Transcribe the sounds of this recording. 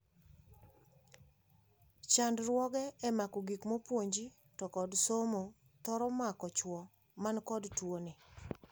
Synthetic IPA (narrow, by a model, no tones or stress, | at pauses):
t͡ʃandɾwɔɡɛɛmakɔɡikmɔpwoɲd͡ʒi | tɔkɔdsomo | t̪ɔɾɔmakɔt͡ʃwɔ | mankɔdtwoni